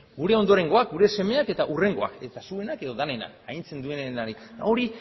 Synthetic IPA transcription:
ɡuɾe̞o̞nd̪oɾe̞ŋɡo̞ak̚ɡuɾe̞se̞me̞ake̞t̪aʔure̞ŋɡo̞a̰ke̞t̪asue̞nake̞ðo̞ðane̞na̰kaint͡se̞nd̪ue̞nenaɾia̰o̞ɾi

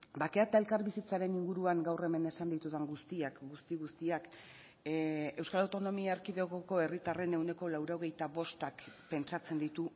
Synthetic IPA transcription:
bake̞at̪ae̞lkaɾβisit͡saɾe̞niŋɡuɾuaŋɡawre̞me̞ne̞sand̪it̪uðaŋɡust̪iakɡust̪iɣust̪iak | e̞wskalawt̪o̞no̞miaeɾkiðeɣoko̞e̞rit̪are̞ne̞wne̞ko̞lawɾo̞ɣ̞e̞jt̪aβo̞st̪akpe̞nt͡sat͡se̞nd̪it̪u

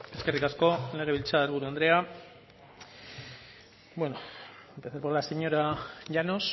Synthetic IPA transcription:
e̞ske̞rikasko̞le̞ɣ̞eβilt͡saeɾuɾuand̪ɾe̞a | bwe̞noempeθaɾpolase̞ɲo̞ɾaʝano̞s

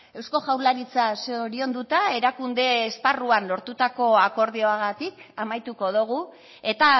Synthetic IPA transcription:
e̞wsko̞ʝawlaɾit͡saseoɾio̞nd̪ut̪ae̞ɾakund̪e̞ːsparuanlo̞ɾt̪ut̪ako̞ako̞ɾðio̞aɣat̪ikamajt̪uko̞ðuɣ̞u | e̞t̪a

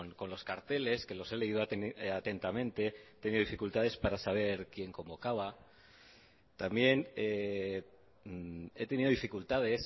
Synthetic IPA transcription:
nko̞nlo̞skaɾt̪e̞le̞ske̞lo̞se̞le̞iðoat̪e̞nt̪amẽ̞nt̪e̞et̪e̞niðifikult̪að̞e̞spaɾasaβ̞e̞ɾkje̞ŋko̞mbo̞kaβa | t̪ambje̞ne | e̞t̪e̞niðo̞ðifikult̪að̞e̞s

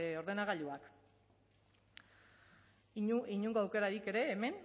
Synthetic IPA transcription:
o̞ɾðe̞naɣaʎuak | iɲuŋɡoawke̞ɾaɾike̞ɾe̞ːme̞n

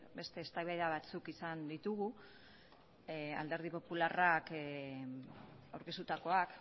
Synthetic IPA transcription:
be̞st̪e̞ːst̪ajβeðeaβ̞at͡sukisand̪it̪uɣu | a̰ld̪e̞ɾð̞ipo̞pularak | awɾke̞st̪ut̪ako̞ak

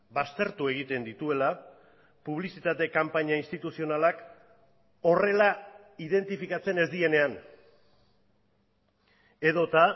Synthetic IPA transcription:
bast̪e̞ɾt̪ue̞ɣ̞it̪e̞nd̪it̪ue̞la | puβ̞lisit̪at̪e̞kampaɲainst̪it̪usio̞nalak | o̞re̞la | iðe̞nt̪ifikat͡se̞ne̞zd̪ie̞ne̞an | e̞ðo̞t̪a

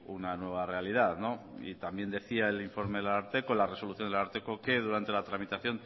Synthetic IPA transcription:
unanwe̞β̞are̞aliðaðno̞ḭt̪ambje̞nd̪e̞θiaeliɱfo̞ɾme̞ðelaɾt̪ekolare̞so̞luθjond̪elaɾt̪ekoke̞ð̞uɾant̪e̞lat̪ɾamit̪aθjo̞n

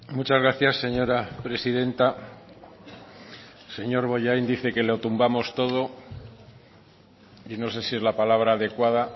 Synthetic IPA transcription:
mut͡ʃazɣɾaθjasːe̞ɲo̞ɾapɾesiðe̞nt̪a | se̞ɲo̞ɾβo̞ʝajnd̪iθe̞ke̞lot̪umbamo̞st̪o̞ð̞o̞ | ino̞s̬e̞sie̞zlapalaβ̞ɾaːðe̞kwaða

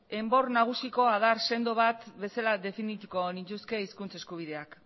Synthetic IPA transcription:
e̞mbo̞rnaɣ̞usiko̞að̞aɾse̞nd̪oβ̞at̪be̞salaðe̞finit̪ukonint͡ʃ̪uske̞iskunt͡se̞skuβ̞ið̞e̞ak

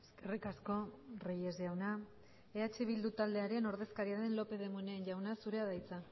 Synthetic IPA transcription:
eske̞rikasko̞reje̞zjawna | eat͡ʃiβ̞ild̪ut̪ald̪e̞aɾe̞no̞ɾðe̞skaɾiaðe̞nlo̞pe̞ð̞e̞muneːnʝawnasuɾe̞aðajt͡sa

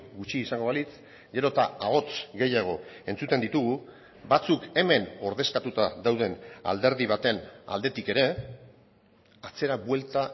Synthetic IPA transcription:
ɡut͡ʃiːsaŋɡo̞βalit͡s | ɡe̞ɾo̞t̪aaɣo̞t͡sɡe̞jaɣ̞o̞e̞nt͡sut̪e̞nd̪it̪uɣ̞u | bat͡suke̞me̞no̞ɾðe̞skat̪ut̪aðawðe̞na̰ld̪e̞ɾðiβ̞at̪e̞na̰ld̪e̞t̪ike̞ɾe̞ | at͡se̞ɾaβwe̞lt̪a

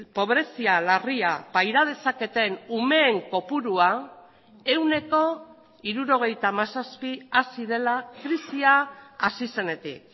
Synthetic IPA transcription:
po̞βɾe̞sialariapajɾað̞e̞sake̞t̪e̞nume̞ːŋko̞puɾua | e̞wne̞ko̞ | iɾuɾo̞ɣ̞e̞jt̪amasaspiasiðe̞lakɾisiaasise̞ne̞t̪ḭk̚

